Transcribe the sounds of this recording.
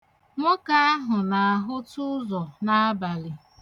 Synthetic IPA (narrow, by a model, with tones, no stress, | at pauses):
ŋʷɔ˦ka˦a˦ɦʊ˨na˨a˨ɦʊ˦tʊ˦zɔ˨na˦a˦ba˨lɪ˨